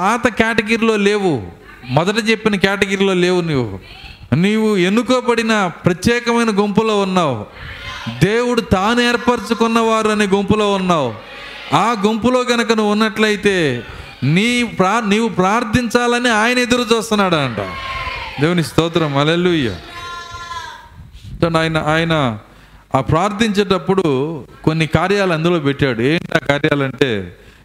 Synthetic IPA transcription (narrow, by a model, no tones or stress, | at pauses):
aːt̪ɐkjaːʈɐɡɐɾilo̞ːle̞ːwu | mɐd̪ɐʈ̬it͡ʃe̞pːinɐkaːʈiɡɐɾilo̞ːle̞ːwuniːʋṵ | niːʋue̞nːukoːbɐɽinɐpɾɐt̪jɛːkɐmɐjnɐɡompulo̞ːunːaːwu | d̪eːwuɽut̪aːnueːɾpɐɾt͡ʃukunːɐʋaːɾuɐneːɡompulo̞ːunːaːwu | aːɡompulo̞ːɡɐnɐk̬ɐnuʋunːɐʈlɐjit̪e̞ː | niːpɾaːniːʋupɾaːɾt̪ʰːiɲt͡ʃaːlɐniaːjɐnɐed̪uɾut͡ʃuːst̪unːaːɽɐɳʈa̰ːd̪e̞ːwunist̪ɔːt̪ɾɐmɦɐleːluːja̰ː | t̪onaːjɐnɐʔaːjɐnɐ | pɾaːɾt̪ʰiɲt͡ʃɐʈ̬ɐpːuɽuko̞nːikaːɾjaːlɐnd̪ulo̞ːpɛʈːaːɽueːɳʈiaːkaːɾjaːlɐɳʈe̞̰ː